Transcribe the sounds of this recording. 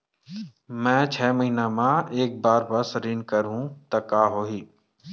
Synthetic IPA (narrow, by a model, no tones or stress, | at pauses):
mɛ̃ːt͡ʃʰɛːməɦiːnamãeːk̚baːɾbɐsɾɪnkəɾɦũt̪ɐkaːɦoːiː